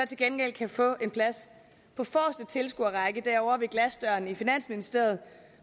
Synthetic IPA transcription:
ɒt͡sʰe̝lɡ̥enɡ̥el̰kʰæfɔ̰̽ːe̝npʰlæs | pʰɒ̽fɒːsd̥ət͡sʰe̝lsɡ̥uɐʁɑɪɡ̥əd̥æɐɒʊɐʋe̝ɡ̥læsd̥ɶɐnifinæn̰sminisd̥e̝ɐ̰ð̞̩ˠ

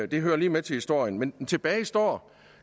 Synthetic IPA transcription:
d̥e̝ɦøːɐliːmet͡sʰe̝hisd̥o̝ɐ̰jənment͡sʰe̝b̥ɛːɪsd̥ɒ̰ː

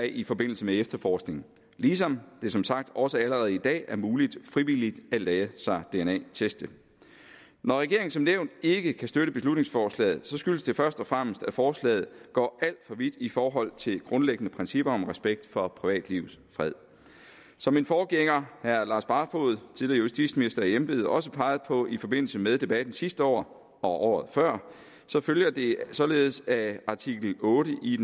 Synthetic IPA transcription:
ifɒ̽b̥e̝n̰l̩səmeefd̥ɐfɒːsɡ̥ne̝ŋ | liːs̬ɒ̽md̥e̝sɒ̽msɑ̈ɡ̥̚d̥ɒ̽səæləʁɛːð̞̩ˠid̥ɛ̰ːæɐmuːlid̥fʁiʋilid̥ælɛːsɑ̈ɪd̥e̝enɛ̰ːt͡sʰesd̥ə | nɒʁɛɡ̥e̝ɐeŋn̩sɒ̽mneʊnd̥e̝ɡ̥əkʰæsd̥øɾəb̥e̝slud̥ne̝ŋsfɒːslɛ̰ːð̩ˠsɒ̽sɡ̥yləsd̥e̝fɶɐsd̥ɒ̽fʁam̰əsd̥æfɒːslɛ̰ːð̩ˠɡ̥ɒ̰ːʔæl̰d̥fɒ̽ʋid̥ifɒːɦɒ̽l̰t͡sʰe̝lɡ̥ʁɔ̽nleɡ̥ənəpʰʁɛnsib̥ɐɒ̽mʁɛsb̥eɡ̥̚d̥fɒ̽pʰʁiʋɛ̰ːd̥liʊsfʁɛð̰ˠ | sɒ̽mːe̝nfɒːɡ̥eŋɐhæɐlɑ̈ːsb̥ɑ̈fo̝̰ð̞̩ˠt͡sʰilejuisd̥ḭ̥ːsminisd̥ɐæjembe̝ːð̩ˠʔɒ̽s̬əpʰɑ̈ɪð̞̩ˠpʰɒ̽ifɒ̽b̥e̝n̰l̩səmeðˠd̥e̝b̥æd̥n̩sisd̥əɒ̰ː | ɒ̽ʔɒ̰ːð̞̩ˠfɶɐ̰ | sɒ̽føljɐd̥e̝sɒ̽le̝ːð̩ˠsæɑ̈t͡sʰiɡ̥l̩ɔ̽ːɾəʔi

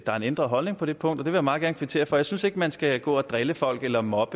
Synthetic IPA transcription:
d̥ɑ̈æɐe̝nend̥ʁɐɦɒ̽lne̝ŋpʰɒ̽ɾ̥e̝pʰɔ̽ŋ̰d̥ɒdeʋe̝jämɑ̈ːðˠɡæɐnkʋit͡sʰe̝̰ːɐfɒ̽jaɪsynse̝ɡ̥əmænsɡ̥æɡ̥ɔ̰̽ːæd̥ʁɛləfɒ̽l̰ɡ̥elɐmɒ̽b̥ə

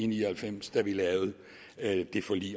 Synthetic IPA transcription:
nihælfem̰sd̥æʋilɛːʊð̩ˠ | d̥e̝fɒ̽lḭː

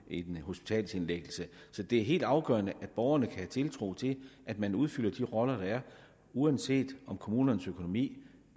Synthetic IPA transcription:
id̥ho̝sb̥i̥t͡sʰɛ̰ːlsenleɡ̥l̩səsɒ̽d̥e̝æɐɦe̝̰ːld̥ɑ̈ʊɡ̥ɶ̰ɐnəʔæd̥̚b̥ɒʊɐnəkʰæhæt͡sʰe̝lt͡sʰʁo̝̰ːt͡sʰe̝ʔæd̥mænuð̞ˠfyl̰ɐd̥iʁɒ̽lɐd̥ɑ̈æɐ | uænd̥se̝̰ːd̥ɒ̽mkʰo̝muːnɐnəsøkʰo̝no̝mḭː

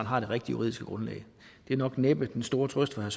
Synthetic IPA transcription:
nɦɑ̈ɾ̥e̝ʁeɡ̥̚d̥ijṵʁḭð̰ˠisɡ̥əɡ̥ʁɔ̽nlɛ̰ːɪ | d̥e̝ænɒ̽ɡ̥neb̥əd̥ensd̥o̝ːɐt͡sʰʁœsd̥fɑ̈hæɐs

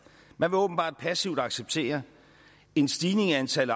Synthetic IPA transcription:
mænʋe̝ɔːb̥n̩b̥ɑ̰̈ːd̥̚pʰæsiʊd̥ɑ̈ɡ̥seb̥̚t͡sʰe̝̰ːɐ | e̝nsd̥iːne̝ŋænt͡sʰæl

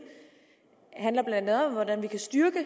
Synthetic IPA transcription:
hæn̰lɐb̥lænd̥æð̩ˠɒ̽mʋɒd̥ænʋikʰæsd̥yɐɡ̥ə

